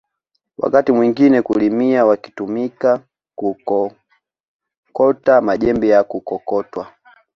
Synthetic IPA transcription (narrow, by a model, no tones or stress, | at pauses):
wa̰katimwiŋɡinɛkulimiawaki̥tumika | kukɔ | kɔtamaʄɛmbijakukɔkɔtwa